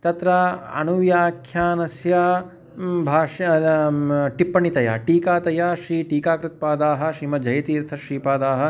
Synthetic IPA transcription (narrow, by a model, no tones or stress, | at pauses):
t̪ɐt̪ɾɐɐ̰nuʋjaːkʰjaːnɐsja | bʱaːʃ | ʈipːɐɳit̪ɐja̰ːʈiːkaːt̪ɐjaːʃɾiːʈiːkaːkɾɪt̪̚paːd̪aːɦɐ̆ʃɾiːmɐd͡ʒɐjɐt̪iːɾt̪ʰɐʃɾiːpaːd̪aːɦɐ̆